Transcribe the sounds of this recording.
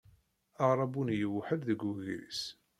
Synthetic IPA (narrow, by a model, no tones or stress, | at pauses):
ɑʁɾˤɑbunjəwħəlðəɡuɣɾḭs